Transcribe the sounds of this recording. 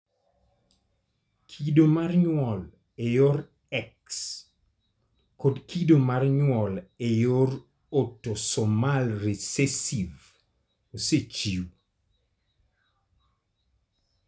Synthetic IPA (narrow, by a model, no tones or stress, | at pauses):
kʰidomarɲwɔl | ɛjor | ɛks | kodkʰidomarɲwɔlɛjor | otːosɔmalresesiv | oset͡ʃiw